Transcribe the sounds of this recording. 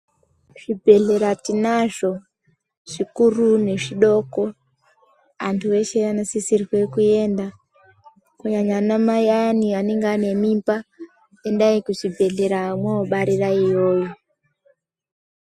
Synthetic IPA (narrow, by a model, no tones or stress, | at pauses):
ʐ̥ibʱe̞ɮe̞ɾatinaʐ̥o̞ | ʐ̥ikurune̞ʐiɗoko | antʰueʃeanosisiriɣwekue̞nda | kuɲaɲanamajanianeŋɡane̞mimpa | endaikuʐibʱe̞ɮe̞ɾaːmwaoɓaɾiɾaijoːji